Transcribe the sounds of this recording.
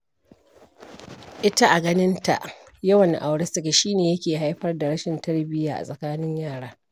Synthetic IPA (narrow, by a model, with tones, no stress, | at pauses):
ʔɪ˦ta˦ʔa˨ɡɐ˦nɪ˦nta̰˨ʔ | jɐ˦wɐ˨ŋʔa˨wɽɪ˦stɪ˨kʲe˨ʃiː˦neː˨jɐ˦kʲeː˨ɦa˦jɸɐ˦rda˨ɽɐ˦ʃɪ˨ntɐ˦rbɪ˦jaː˨ʔa̰˨sʼɐ˨kaː˦nɪ˦ɲjaː˦˨ɽaː˦